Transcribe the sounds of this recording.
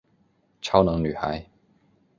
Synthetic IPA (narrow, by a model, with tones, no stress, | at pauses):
ʈ͡ʂʰɑ˥ʊnɤ˧˥ŋny˨˩xa˨˧˦ɪ